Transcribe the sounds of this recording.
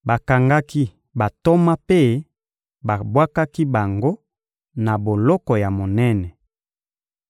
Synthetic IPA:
ba˨ka˨ŋɡa˦ki˦ | ba˨to˦ma˦pe˦ | ba˨bwa˦ka˦ki˦ba˨ŋɡo˦ | na˨bo˨lɔ˦kɔ˨ja˨mo˨nɛ˦nɛ˨

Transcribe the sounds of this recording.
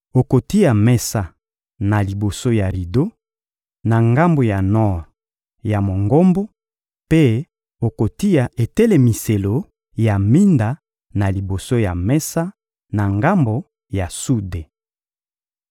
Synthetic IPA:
o˨ko˨ti˦ja˨mɛ˦sa˦ | na˨li˨bo˨so˦ja˨ʁi˨do˦ | na˨ŋɡa˦mbo˨ja˨nɔ˦ʁ | ja˨mo˨ŋɡo˦mbo˦ | pe˦ | o˨ko˨ti˦ja˨e˨te˦le˨mi˨se˨lo˨ | ja˨mi˦nda˨ | na˨li˨bo˨so˦ja˨mɛ˦sa˦ | na˨ŋɡa˦mbo˨ | ja˨su˦de˨

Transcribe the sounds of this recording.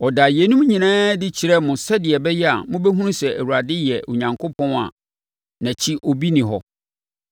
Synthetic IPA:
ɔ˨da˨jɛ˨˦nũ˦m˦ɲĩ˨nãː˦dɪ˦t͡ɕʰi˨ɾɛ˦mʊ̃˨sɛ˦dɪ˨ɛ˨bɛ˦jɛ˦a̰˨mʊ̃˦bɛ˦ɦũ˦nũ˦sɛ˨æ̰˨wu˨a˨dɪ˦jɛ˨o̰˨ɲã˨ŋkʰo˦pʰɔ̃˦na̰˨ | nã˨t͡ɕʰi˦ʔɔ˨bi˦nɪ̃˨ɦɔ˦

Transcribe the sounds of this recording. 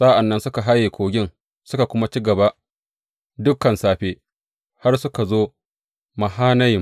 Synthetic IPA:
sa˦ʔa˨nːɐ˦nsʊ˦ka˨ɦa˦jeː˨kʷoː˨ɡʲɪ˦ŋ | sʊ˦ka˨kʷʊ˦ma˦t͡ʃiː˦ɡɐ˨ba˦ʔ | dʊ˦kːɐ˨nsaː˨ɸeː˦ | ha˦rsʊ˦ka˨zoː˦ | ma˨ɦaː˦na˦j

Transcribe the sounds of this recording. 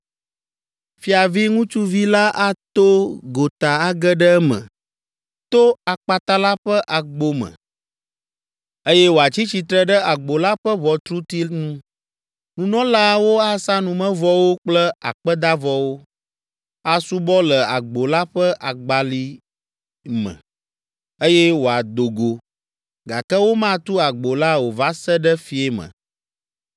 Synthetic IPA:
fi˦a˨vi˦ŋũ˦t͡ʃu˦vi˦la˦ʔa˦t̪o˦ɡo˨t̪a˨a˦ɡə˦ɖə˦mə̰̃˨ | t̪o˦a˨k͡pa˨t̪a˦la˦ɸə˦ʔa˨ɡ͡bo˦mə̰̃˨ | e˦jɛ˦wo˨a˨t͡ɕi˦t͡ɕi˨t̪ɾə˦ɖə˦a˨ɡ͡bo˨la˦ɸə˦vɔ˨t̪ɾu˦t̪i˦nũ˦ | nũ˨nɔ̃˦la˦wo˦a˦sa˦nũ˨mə̃˦vɔ˦wo˦k͡plə˦a̰˨k͡pə˦d̪a˦vɔ˦wo˦ | a˦su˦bɔ˦lə˨a˨ɡ͡bo˨la˦ɸə˦ʔa˨ɡ͡ba˨li˦ | mɛ̰̃˨ | e˦jɛ˦wo˨a˨d̪o˨ɡo˨ | ɡa˨kɛ˦wo˦mã˦t̪u˦a˨ɡ͡bo˨la˦wo˨va˦sə˦ɖə˦fi˦ɛ˦mə̰̃˨

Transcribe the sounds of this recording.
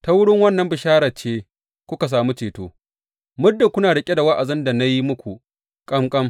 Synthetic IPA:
ta˦wʊ˦ɽɪ˦ŋwɐ˦nːɐ˦mbɪ˨ʃaː˦ɾaː˨t͡ʃeː˦ | kʷʊ˦ka˨s̬aː˨mu˦t͡ʃeː˨toː˦ | mʊ˦rda˨kʷʊ˦naː˨ɽɪ˨kʲʼe˦da˨wɐ˦ʔa˨zɪ˦nda˨na˦ji˦mʊ˦kʷu˨ | kʼɐ˦mkʼɐ˦m

